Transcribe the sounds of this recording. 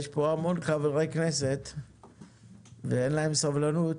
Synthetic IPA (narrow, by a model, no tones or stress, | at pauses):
eʃpoamo̞nkaveʁejkneset̪ | veenlaemsavlanut̪